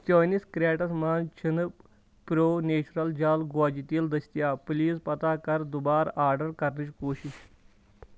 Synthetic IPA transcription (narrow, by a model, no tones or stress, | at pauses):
t̪joːniskɾʲaːʈɐsmaːnt͡ʃʰənɨ | pɾoːneːt͡ɕɾɐld͡ʑaːlɡaːd͡ʑit̪iːld̪ɐsʲt̪jaːpliːspɐt̪aːkɐɾd̪ubaːɾaːɾɖɐɾkɐɾnɨt͡ʃkoːɕiɕ